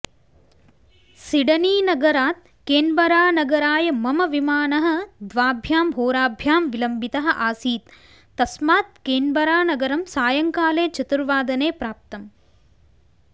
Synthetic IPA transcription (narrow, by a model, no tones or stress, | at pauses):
siɽɐniːnɐɡɐɾaːt̪̚ | keːnbɐɾaːnɐɡɐɾaːjɐmɐmɐʋimaːnɐɦɐ̆d̪ʋaːbʱjaːmɦoːɾaːbʱjaːmʋilɐmbit̪ɐɦɐ̆ʔaːsiːt̪ː | ɐsmaːt̪̚keːnbɐɾaːnɐɡɐɾɐmsaːjɐŋkaːleːt͡ʃɐt̪ɾʋaːd̪ɐneːpɾaːp̚t̪ɐm